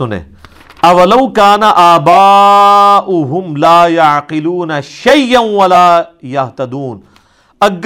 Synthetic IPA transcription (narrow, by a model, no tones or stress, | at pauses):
ʊnḛ | ɐwɐlɐwkaːnaʔaːbaː | ʔʊɦʊmlaːjaʕqɪluːnaʃɐjːanwɐlaːjɐɦt̪ɐd̪uːn | ɐɡː